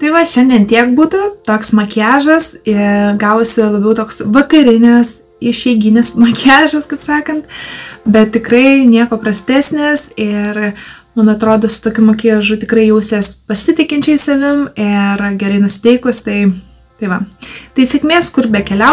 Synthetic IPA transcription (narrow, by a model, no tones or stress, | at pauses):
t̪ɐɪʋɐʃʲɛnʲd̪ʲiɛnt̪ʲiɛk̚buːt̪ʊt̪oːksmɐkʲæːʒɐsɪɡɑːʋoːsʲɪlˠɐbʲɛʊt̪oːksʋɐkɐɾʲɪnʲɛs | ɪʃʲɛɪɡʲɪnʲɪsmɐkʲʰæːʒɐskɐpsɑːkɐnt̪bʲɛt̪ʲtʲɪkɾrɐɪnʲiɛkoːpɾɐsʲt̪ʲæːsʲnʲɪsɪr | mɐnɐt̪ɾoːd̪oːsʊ̥t̪oːkʲʊmɐkʲɪjɛʒʊt̪ʲɪkɾɐɪjɛʊsʲespɐsʲɪt̪ʲɪkʲɪnʲt͡ʃʲɛɪsɐʋʲɪmɪrɡʲɛɾɐɪnʊsʲɪ̥t̪ʲɛɪkʊst̪ɐɪ | t̪ɐɪʋɐt̪ɐɪsʲɛkmʲeːskʊrbʲɛkʲɛlʲɛʊ